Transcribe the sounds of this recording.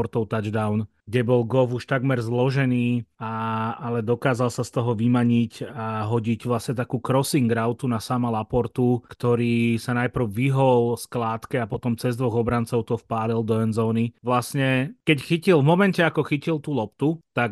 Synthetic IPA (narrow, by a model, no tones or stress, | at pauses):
ɔɾt̪ɔʊt̪ad͡ʒd̪aʊnɡɟɛbɔlɡɔfuʃt̪aɡmɛɾzlɔʒɛniːaalɛd̪ɔkaːzalsast̪ɔɦɔʋimaɲicaɦɔɟiɟʋlasɲɛt̪akuːkɾɔsiŋɡɾaʊt̪unasamalapɔɾt̪ukt̪ɔɾiːsanajpr̩ʊʋiɦɔlsklaːt̪kɛapɔt̪ɔmt͡sɛzd̪ʋɔɣɔbɾant͡sɔʊt̪ɔfpaːlild̪ɔɛnzɔːniʋlasɲɛkɛcxicilˠvmɔmɛncɛakɔxicilt̪uːlɔp̚t̪ut̪ak